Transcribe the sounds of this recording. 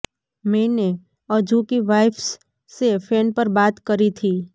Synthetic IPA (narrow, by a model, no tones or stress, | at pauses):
mɛ̃ːne | əd͡ʒʱukiʋaːɪfs | sepʰeːnpəɾbaːt̪kəɾit̪ʰiː